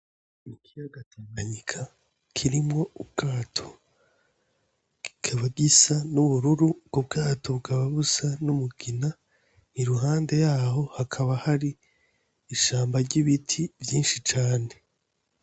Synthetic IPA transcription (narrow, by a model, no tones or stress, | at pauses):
ikʰijaɡataŋɡaɲikʰa | kʰiɾimŋo̞ub̚ɡ̥aːtʰo̥ | ikʰaβaɡisanuβuɾuɾubɡ̥ob̚ɡaːtʰobɡaβaβusanumuɡ̥ina | niɾuɦaːnde̞jaːɦo̞hakʰaβahaɾiː | ʃaːmbaɾɟiβitʰivjiːnʃit͡ʃaːne̞